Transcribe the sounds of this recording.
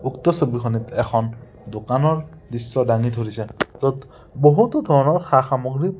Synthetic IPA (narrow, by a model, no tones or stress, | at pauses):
ukt̪ɔsobixʰɔnit̪ɛxʰɔn | dokanɔɹ | disːɔdaŋid̪ʱoɹisɛt̪ɔt | boɦut̪od̪ʱɔɹɔnɔɹxaxamoɡɹi